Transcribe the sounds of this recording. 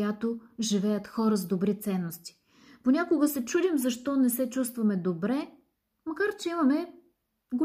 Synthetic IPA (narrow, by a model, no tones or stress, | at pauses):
jat̪oʒivɛjət̪xɔɾəzd̪obɾit̪sɛnːost̪i̥ | ponʲakoɡəsɛt͡ʃud̪imzɐʃt̪ɔnɛsɛt͡ʃust̪vɐmɛd̪obɾɛ | mɐkaɾt͡ʃɛimɐmɛ | ɡo